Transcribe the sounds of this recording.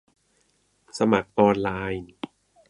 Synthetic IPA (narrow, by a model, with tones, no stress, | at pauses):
sa˧ma˨˩k̚ʔɔː˧nlaː˧jn